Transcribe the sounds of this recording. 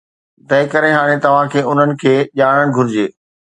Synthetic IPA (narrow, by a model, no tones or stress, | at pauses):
t̪ɐɪkɐɾeɦaːɽ̃et̪ɐʋ̤ãkʰeːʊn̤ənɪ̆kʰeːʄaːɽ̃əɽ̃ɪ̆ɡʱʊɾɪd͡ʑeː